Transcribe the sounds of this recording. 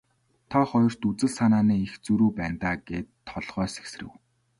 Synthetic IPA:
t̪ʰaχɔjɞ̆r̥t̪ut͡sɘ̆ɮsanaːniːixt͡suɾuːpæːnt̪aːɡeːt̪ʰːɔɮʁ̥œːse̥ks̆rɘ̆w

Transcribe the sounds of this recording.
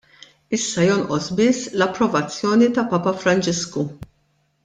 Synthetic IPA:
ɪsːɐjɔnʔɔsbɪsːlɐpːɾɔvɐt͡sːjɔːnit̪ɐpɐːpɐfɾɐnt͡ʃɪsku

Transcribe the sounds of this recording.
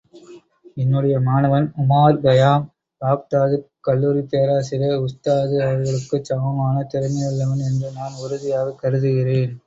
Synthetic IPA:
ɛnːɯɽɐjɐmaːnɐʋɐnʊmaːɾbɐjaːm | paːkt̪aːðɯkːɐlːuːɾit̪eːɾaːsɪɾɐʊst̪aːðɯɐʋɐɾɣɐɭɯkːɯt͡ʃːɐʋɐmaːnɐt̪ːɪɾɐmːɐjɪɭːɐʋɐnɛndrɯnaːnʊɾɯðɪjaːɣɐkːɐɾɯðɯɣɪreːn

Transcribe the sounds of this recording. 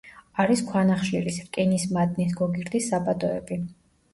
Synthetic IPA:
aɾiskʰwanaχʃḭɾisɾkʼɛnismad̪nis̬ɡɔɡiɾd̪isːabad̪ɔɛ̰bi

